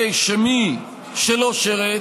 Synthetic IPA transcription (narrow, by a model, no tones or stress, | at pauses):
ejʃemi | ʃeloʃeʁe